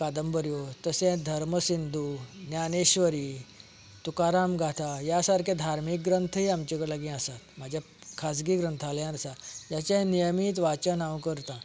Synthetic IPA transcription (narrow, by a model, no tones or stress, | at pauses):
kad̪əmbəɾjot̪əsɛ̃d̪ʱəɾməsind̪ʱunjaneɕʋəɾiː | t̪ukaɾamɡʱat̪ʰajasaɾkʰẽd̪ʱaɾmik̚ɡɾənt̪ʰəɦiamt͡ɕekəɽlaɡĩəsat̪mad͡ʑʱja | kʰas̬ɡiɡɾənt̪ʰaljãnɾəsajat͡ɕãnijəmiːt̪̬ʋat͡ɕənawkəɾt̪ã